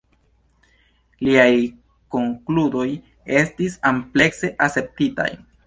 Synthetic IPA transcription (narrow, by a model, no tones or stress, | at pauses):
liaj | ko̞ŋkludo̞j | e̞stisample̞kse̞ʔase̞p̚tita̰j